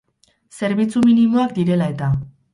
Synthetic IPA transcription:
se̞ɾβit͡suminimoakd̪iɾe̞lae̞t̪a

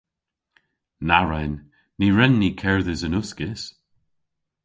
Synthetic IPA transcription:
naɹɛnː | iɹɛnːikʰɛɹðəzənʊskɪs

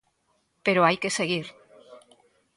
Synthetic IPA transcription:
peɾoajkeseɣ̞iɾ

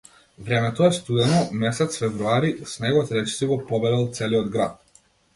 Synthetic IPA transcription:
vɾɛmɛt̪ɔɛst̪ud̪ɛnɔmɛsɛt̪sfɛvɾuaɾisnɛɡɔt̪ɾɛt͡ʃi̥siɡɔpɔbɛd̪ɛlˠt̪sɛliɔd̪ɡɾat̪̚

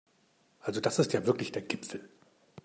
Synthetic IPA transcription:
ʔalzod̥asɪstjaːvɪɐklɪçd̥eːɐɡɪpfl̩

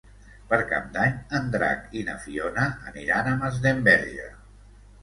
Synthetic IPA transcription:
pəɾka̰p̚d̪aɲənd̪ɾa̰kinə̰fionəːniɾanəməzðembɛɾʒə̰

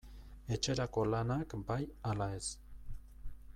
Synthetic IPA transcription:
e̞t͡ʃe̞ɾako̞lanakbajalae̞s

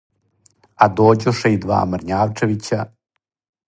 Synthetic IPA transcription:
ad̪oːd͡ʑuʂɛid̪ʋa̰ːmɾɲaːʋt͡ʂeʋit͡ɕa

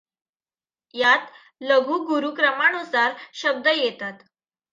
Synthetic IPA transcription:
jat̪ | ləɡʱuːɡuɾuːkɾəmanusaɾɕəb̚d̪əjet̪at̪

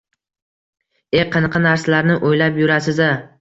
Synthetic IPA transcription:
eqʰɨnɨqʰɑnaɾsalaɾnɪʔojlapjʊɾasɪza

